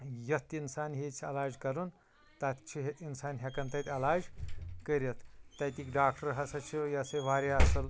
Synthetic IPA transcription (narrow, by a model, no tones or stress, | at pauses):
jɐt̪insaːnɦet͡sʰɐ̰laːd͡ʒkɐɾun | t̪ɐt̪ʲt͡ʃʰuɦet̪insaːnɦʲɐkɐnt̪ɐt̪ʲɐlaːd͡ʒkəɾɐt̪ʰt̪ɐt̪ikɖaːk̚ʈɐɾɦɐsɐt͡ʃʰujɐsɐjʋaːɾaɐsɐl